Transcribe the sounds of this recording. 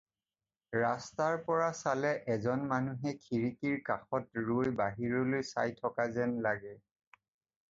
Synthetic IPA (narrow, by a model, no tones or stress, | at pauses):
ɹastaɹpɔɹasalɛʔɛzɔnmanuɦɛkʰiɹikiɹkaxɔtɹojbaɦiɹɔlojsa̰jtʰɔkazɛnlaɡɛ